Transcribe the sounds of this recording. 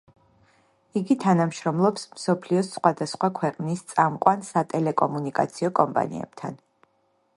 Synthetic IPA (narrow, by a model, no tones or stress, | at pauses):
iɡit̪ʰanamʃɾɔmlˠɔpsmsɔpʰliɔsχwad̪asχwakʰwɛqʼnist̪sʼamqʼwansat̪ʼɛlɛkʼɔmunikʼa̰t̪sʰiɔkʼɔmpʼa̰nḭɛ̰b̥t̪ʰan